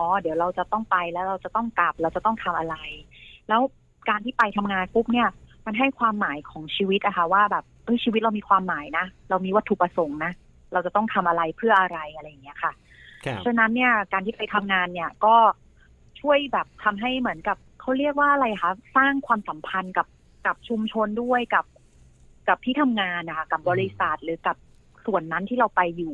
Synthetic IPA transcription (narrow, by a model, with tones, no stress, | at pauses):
ʔɔː˨˩di˨˩˦wɾa˧wt͡ɕa˨˩t̪ɔ˥˩ŋpa˧jlɛː˦˥wɾa˧wt͡ɕa˨˩t̪ɔ˥˩ŋka˨˩p̚ɾaː˧wt͡ɕa˨˩t̪ɔ˥˩ŋt̪ʰa˧mʔa˧ɾa˧jlɛː˦˥w | kaː˧nt̪ʰiː˥˩pa˧jt̪ʰa˧mŋaː˧nku˦˥p̚ni˥˩ɐma˧nɦa˥˩jkʰwaː˧mːaː˩˦jkʰɔː˩˦ŋt͡ɕʰiː˧wt̪̚ʔa˨˩kʰa˥˩waː˥˩bɛː˨˩p̚ʔɤ˦˥˩jt͡ɕʰiː˧wt̪̚ɾa˧wmiː˧kʰwaː˧mːaː˩˦jna˦˥ɾa˧wmiː˧wa˦˥t̪ʰːu˨˩pɾa˧so˨˩˦ŋna˦˥ | ɾa˧wt͡ɕa˨˩t̪ɔ˥˩ŋt̪ʰa˧mʔa˧ɾa˧jpʰɯ˥˩ɐʔa˧ɾa˧jʔa˧ɾa˧jːa˨˩ŋːi˦˥ɐkʰa˥˩˥ | t͡ɕʰa˧na˦˥nːi˥˩ɐkaː˧nt̪ʰiː˥˩pa˧jt̪ʰa˧mŋaː˧nːi˥˩ɐkɔː˥˩ | t͡ɕʰu˥˩əjbɛː˨˩p̚t̪ʰa˧mɦa˥˩jmɯ˩˦ənka˨˩p̚kʰa˦˥wɾi˥˩ək̚waː˥˩ʔa˨˧ɾa˧jʔa˨˩kʰa˦˥saː˥˩ŋkʰwaː˧msa˩˦mpʰa˧nka˨˩p̚ | ka˨˩p̚t͡ɕʰu˧mt͡ɕʰo˧ndu˥˩əjka˨˩p̚ | ka˨˩p̚t̪ʰiː˥˩t̪ʰa˧mŋaː˧nʔa˨˩kʰa˥˩ka˨˩p̚bɔː˧ɾɾi˦˧˥sa˨˩t̪̚ɾɯː˩˦ka˨˩p̚ | su˨˩ənːa˦˥nt̪ʰiː˥˩ɾa˧wpa˧jːuː˨˩